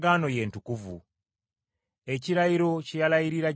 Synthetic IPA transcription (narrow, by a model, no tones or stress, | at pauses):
ɡaːno̞je̞ːntukuvṵ | e̞ciɾajiɾo̞cijalajiɾiɾa